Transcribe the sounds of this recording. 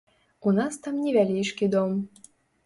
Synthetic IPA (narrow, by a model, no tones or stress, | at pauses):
unɑst̪amnʲivʲælʲijʂkʲid̪om